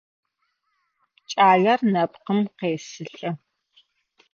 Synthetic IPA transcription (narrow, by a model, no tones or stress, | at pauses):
t͡ʃʼaːɮɐrnɐpqəmqeːsɨɬʼɐ